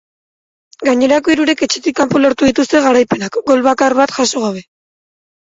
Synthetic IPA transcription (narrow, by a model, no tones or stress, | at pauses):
ɡaɲe̞ɾako̞iɾuɾe̞ke̞t͡ʃe̞t̪ikːampolo̞ɾt̪uðit̪ust̪e̞ɣaɾajpe̞nakɡo̞lβakarβat̪ʝaso̞ɣ̞aβ̞e̞